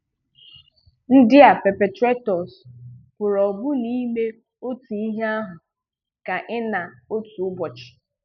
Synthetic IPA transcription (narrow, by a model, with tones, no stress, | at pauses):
n̩˦dɪ˦a˨pe˨pe˨tɾe˦tɔ˨spʊ˨ɾɔ˨ɡ͡bʊ˦ni˦me˦ | o˦tu˨i˦ɦe˦a˦ɦʊ˨ | ka˨ʔɪ˦na˨o˦tu˨ʊ˦bɔ˨t͡ʃɪ̥˨